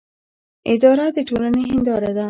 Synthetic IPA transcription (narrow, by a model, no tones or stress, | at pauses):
ɪd̪ɑɾad̪əʈolaneɦɪnd̪ɑɾad̪a